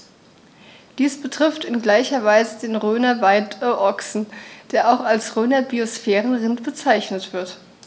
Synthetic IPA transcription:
d̥iːsb̥ətʁ̥ɪftɪnɡlaɪçɐvaɪzədeːnʁøːnɐvaɪtəʔɔksn̩d̥eːɐʔaʊxalsʁøːnɐbiosfɛːʁənʁɪntb̥ət͡saɪçnətv̥ɪɐt

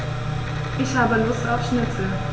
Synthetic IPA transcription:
ʔɪçhaːbəlʊstaʊfʃnɪt͡sl̩

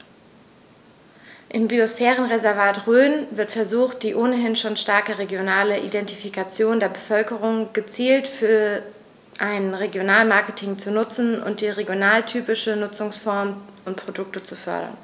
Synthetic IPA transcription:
ʔɪmbiosfɛːʁ̞ənʁezɛɐvaːtʁøːnvɪɐtfɛɐzuːxt̚d̥iːʔoːnəɦɪnʃoːnʃtaɐkəʁeɡjonaːləʔḭdɛntifikat͡sjoːndeːɐbəfœlkəʁ̞ʊŋɡ̥ət͡siːltfyːɐ | ʔaɪnʁeɡjonaːlmaɐkətʰɪŋt͡sunʊt͡sn̩ʊ̰nt̚d̥iːʁeɡjonaːltʰyːpɪʃənʊt͡sʊŋsfɔɐmʔʊntpʁ̥odʊk̚tət͡sufœ̰ɐɾɐ̰n

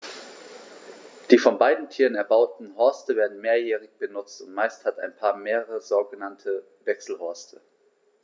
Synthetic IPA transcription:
d̥iːfɔnbaɪdn̩tʰiːʁənɛɐbaʊtn̩ɦɔɐstəveːɐdn̩meːɐjɛːʁ̞ɪçb̥ənʊt͡stʊntmaɪsthata̰ɪnpʰaːɐmeːʁəʁəzoːɡənantʰə | vɛksl̩hɔɐstʰə

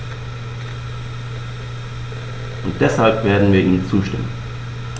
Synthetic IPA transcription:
ʔʊnt̚d̥ɛshalpv̥eːɐdn̩viːɐʔiːnt͡suːʃtɪ̰mə̰n

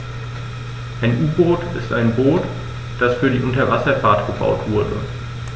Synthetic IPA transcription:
ʔaɪnʔuːboːtɪ̰stʔaɪnboːt | d̥asfyːɐɾiːʔʊntɐvasɐfaɐtɡ̥əba̰ʊtv̥ʊɐdə̰

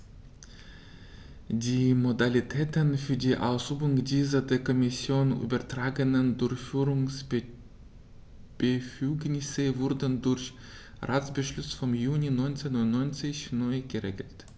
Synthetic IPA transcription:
diːmodalitʰɛːtənfyːɐdiːʔaʊsʁyːbʊŋdiːzɐdeːɐkʰɔmɪsjoːny̰ːbɐtʁ̥aːɡənəndʊɐçfyːʁʊŋs | b̥əfyːɡnɪsəvʊɐdəndʊɐç | ʁaːt͡sb̥əʃlʏsfɔmjuːninɔʏnt͡senʊntnɔʏnt͡sɪçnɔʏɡəʁḛːɡl̩t

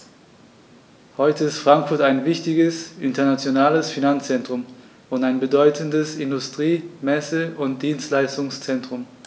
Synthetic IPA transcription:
hɔʏtəɪstfʁ̥aŋkfʊɐtaɪnvɪçtɪɡəsʔɪntɐnat͡sjonaːləsfinant͡st͡sɛntʁ̥ʊm | ʊntaɪnbədɔʏtʰəndəsɪndʊstʁ̥iːmɛsəʊnt̚d̥iːnstlaɪstʊŋst͡sɛntʁ̥ʊm

